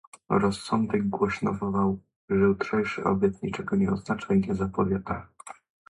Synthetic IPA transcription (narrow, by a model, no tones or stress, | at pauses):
ɾɔsːɔnd̪ɛɡ̚ɡwɔɕnɔvɔlaw | ʐɛut̪ʂɛjʂɘ̰ʔɔ̰bʲjɛt̪ɲit͡ʂɛɡɔɲɛɔznat͡ʂaiɲɛzapɔvʲjɛt̪a